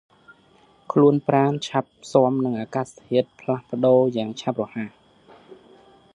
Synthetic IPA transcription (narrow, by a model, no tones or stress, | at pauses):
kʰluənpraːnt͡ɕʰap̚soəmnɨŋʔaːkaːst̪ʰiət̪̚pʰlahpə̆ɗoːjaːŋt͡ɕʰap̚rɔhaː